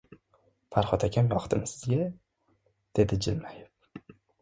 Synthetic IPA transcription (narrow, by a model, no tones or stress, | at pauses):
pʰaɾχɒt̪ʰakʲʰamjɒχt̪ʰɪmsɪz̥ɡʲa | d̪̥e̞d̪ɪd͡ʒɪlmajɪp̚